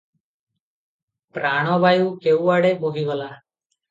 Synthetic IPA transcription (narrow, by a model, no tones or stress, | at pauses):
pɾaːɳ̃oːbaːjuːkeːuːʋaːɽeːboɡʱiːʋəlaː